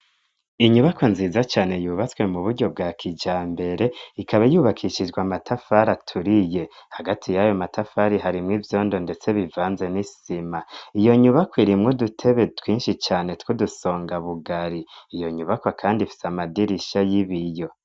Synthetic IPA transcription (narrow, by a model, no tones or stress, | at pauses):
iɲuβakonziːzat͡ʃaːne̞juːβat͡swe̞muβuɾɟo̞b̚ɡaːkʰid͡ʒaːmbe̞ɾe̞ikaβajuːβakʰiʃid͡ʒɡwamatʰafaɾatʰuɾije̞haɡatʰijajo̞matʰafaɾiɦaɾimŋivjo̞ːndo̞nde̞t͡se̞βivaːnze̞nisimaijo̞ɲuβakwiɾimŋodutʰe̞βe̞twiːnʃit͡ʃaːne̞twuduso̞ːŋɡaβuɡaɾiːjo̞ɲuβakwakʰaːndifi̥samadiɾiʃajiβijo̞